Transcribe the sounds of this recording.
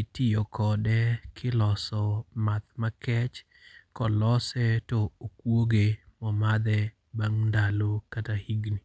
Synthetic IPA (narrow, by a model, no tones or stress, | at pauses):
itijokʰɔdɛkʰɪlɔsɔmat̪̚makɛt͡ʃ | kɔlɔsɛtɔokwoɡemɔmad̪ɛ | baŋndalokatahiɡni